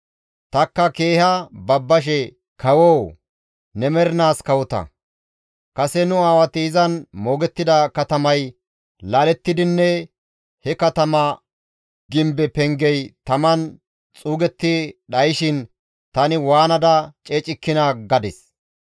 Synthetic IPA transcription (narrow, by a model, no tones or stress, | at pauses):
t̪ɐkːɐkeːhɐbɐbːɐʃ̬ɛ | kʰɐwoː | nɛmɛɾɪnaːskɐwʊt̪ɐ̰ | kɐsɛnʊaːwɐt̪ɪːzɐnmo̞ːɡɛt̪ːɪd̪ɐkɐt̪ɐmɐj | laːlɛt̪ːɪd̪ɪnːɛ | hɛkɐt̪ɐmɐ | ɡɪmbɛpɛŋɡɛjt̪ɐmɐn | t͡sʼuːɡɛt̪ːɪɗɐjɪʃɪn | t̪ɐnɪwaːnɐd̪ɐt͡ʃʼeːt͡ʃʼɪkːɪnaɡɐd̪ɛs